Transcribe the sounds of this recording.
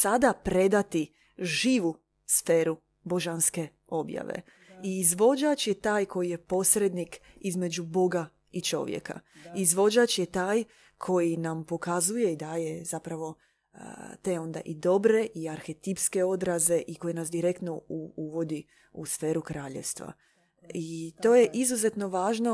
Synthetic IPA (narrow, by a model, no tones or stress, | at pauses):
sad̪apɾe̞d̪at̪i | ʒiːʋu | sfeːɾu | bo̞ʒanske̞ | o̞bja̰ʋḛ | iizʋo̞d͡ʒat͡ʃje̞t̪aːjko̞jije̞po̞sɾe̞d̪nikizme̞d͡ʒubo̞ɡa | it͡ʃo̞̰ʋjḛka̰izʋo̞d͡ʒat͡ʃjet̪aːj | kʰo̞jinampo̞kazuje̞id̪aːje̞z̥apɾaʋo̞̰ | t̪eo̞nd̪a̰ʔid̪o̞bɾe̞ʔiaɾxe̞t̪ipske̞o̞d̪ɾaze̞ʔiko̞jenasd̪iɾe̞kt̪no̞uuʋo̞d̪i | usfe̞ːɾukɾaːʎḛʋst̪ʋa̰ | it̪o̞ːje̞ʔizuze̞t̪no̞ʋaːʒno̞